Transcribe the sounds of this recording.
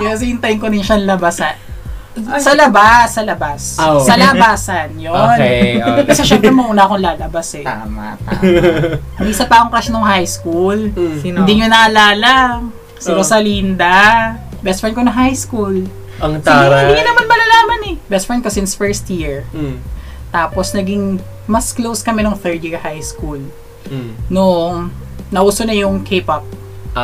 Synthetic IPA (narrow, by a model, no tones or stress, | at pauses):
ɐs̬ɐɪnt̪ɐjŋkonɪŋʃɐnlɐbasɐ | sɐlɐbasːɐlɐbasːɐlabaːsɐnjonkɐsɛʃɛmpɾɛmoʔʊnaɐkonlaːlɐbasɛt̪ama̰t̪a | ɐmisɐpakoŋkɐsɐnoŋhajskulɪnd̪iɲonɐʔɐlaːlɐ | sɐɾosɐlind̪ɐ | bɛst̪fɹɛn̚konɐŋɦajskul | ɐŋaɪiɲɐnɐmanmɐlɐlaːmɐnɛbɛst̪fɹɛnkosɪnsfɛɹst̪jiɹ | t̪aːposnɐɡɪŋ | mɐsklowskɐmɛnoŋθɛɹd̪jiɹhajskul | noʔŋnɐʔuːsonɐjʊŋkʰepɐp̚